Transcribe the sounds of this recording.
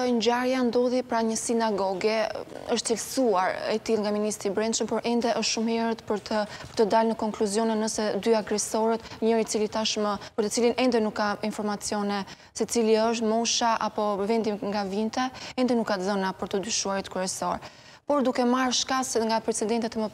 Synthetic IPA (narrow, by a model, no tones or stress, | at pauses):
ɲɟaɾjand̪ɔðipɾaɲəsinaɡɔɡɛəʃt̪t͡silsuaɾɛt̪ilˠŋɡaminist̪ɾibɾɛnʃəmpɔɾʔɛnd̪ɛʔəʃt̪ʃumhɛɾət̪pəɾəpəɾt̪əd̪alnəkɔŋkluzjɔnɛnːəsɛd̪yaɡɾɛsɔɾɛt̪ɲəɾit͡silit̪aʃməpəɾt̪ət͡silinʔɛnd̪ɛnukːainfɔɾmat͡sjɔnɛ | sɛt͡siliəʃ̬t̪mɔʃaʔapɔvɛnd̪imŋɡavint̪ɛɛnd̪ɛnukːat̪ðənapəɾt̪əd̪yʃuaɾit̪kɾɛsɔɾ | pɔɾd̪ukɛmaɾʃkasŋɡapɾɛt͡sɛd̪ɛnt̪ɛt̪mə